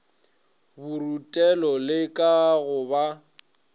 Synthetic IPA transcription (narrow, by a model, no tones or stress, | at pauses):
burutʼɛlɔlɪkʼaɣʊba